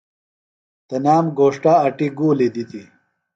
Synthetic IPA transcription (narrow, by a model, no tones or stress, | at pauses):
t̪ɐnaːmɡoːʂʈaːʈiɡuːlid̪it̪i